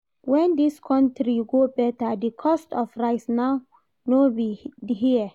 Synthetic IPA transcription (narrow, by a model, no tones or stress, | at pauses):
wɛ̃ndiskʰɔ̃ntɹiɡobɛtadikʰɔstɔfɹaɪsnaʊ | nobiɦiɛ